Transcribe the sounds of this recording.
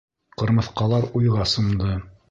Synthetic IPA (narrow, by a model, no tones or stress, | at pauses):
qɤ̆ɾmɤ̆θqɑlˠɑɾujʁɑsŭmd̪ɤ